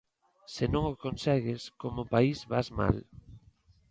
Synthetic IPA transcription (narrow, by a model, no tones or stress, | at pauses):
senõŋokonsɛɣɪskomopaizβazma̰l